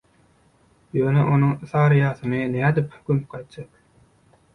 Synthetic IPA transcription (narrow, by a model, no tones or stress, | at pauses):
jøːneʔo̞nuŋθɑːɾɯjɑːθɯnɯnæːd̪iphkymyp̚qɑjt̪̚d͡ʒɑk